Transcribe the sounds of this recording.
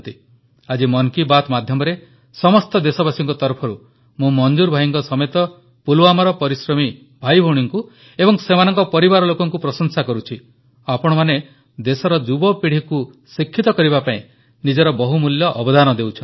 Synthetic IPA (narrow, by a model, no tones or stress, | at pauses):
t̪i | ad͡ʒimɔnkibat̪mad̪ʱjɔmɔɾe | sɔmɔst̪ɔd̪esɔbasiŋkɔt̪ɔɾpʰɔɾu | mũmɔnd͡ʒuɾbʱajiŋkɔsɔmet̪ɔ | pulwamaɾɔpɔɾisɾɔmi | bʱajbʱɔ̃iŋku | ebɔŋsemanɔŋkɔpɔɾibaɾɔlokɔŋkupɾɔsɔŋsakɔɾut͡ʃʰi | apɔɽ̃ɔmane | d̪esɔɾɔd͡ʒubɔpiɽ̤iku | sikʰːit̪ɔkɔɾibapaĩ | nid͡ʒɔɾɔbɔɦumuljɔʔɔbɔd̪anɔd̪ewt͡ʃʰɔ